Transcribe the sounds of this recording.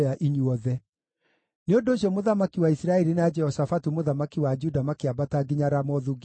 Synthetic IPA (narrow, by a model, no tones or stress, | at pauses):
aʔiɲuɔðɛ | neondoːɕ̬jɔmoðamakiwaisɾaɛɾinad͡ʒɛhɔsafatumoðamakiwad͡ʒudamakeabataɡiɲaɾamɔðuɡ